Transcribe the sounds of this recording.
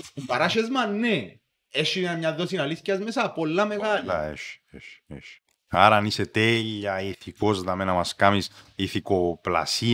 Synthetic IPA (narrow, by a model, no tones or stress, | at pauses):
impɐɾaʃezmɐnːe | eʃinɐmɲɐðːosinɐliscɐzmesɐpolːɐmeɣalɐḛʃeʃḛʃ | aɾaniset̪eʎːɐiθikozðɐmenɐmɐskamisiθikopla̰si